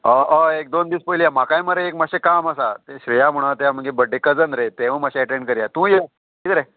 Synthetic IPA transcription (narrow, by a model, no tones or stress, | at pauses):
əəek̚d̪ond̪iːspəilijamakãjməɾeekmaɕekaməsat̪eɕɾijam̤əɽ̃at̪eam̤əɡebəɖːekəd͡zənɾet̪eʋ̤ə̃maɕeɛʈẽɳɖkəɾijat̪ũːje | ʈit̪ɾe